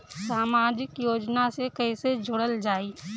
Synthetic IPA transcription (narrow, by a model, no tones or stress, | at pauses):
saːmaːd͡ʒɪkjoːd͡ʒnasekəɪsed͡ʒʱʊɽəld͡ʒaːiː